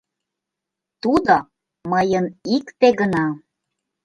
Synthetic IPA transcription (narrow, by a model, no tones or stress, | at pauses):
t̪ud̪o | məjənikt̪eɣənɑ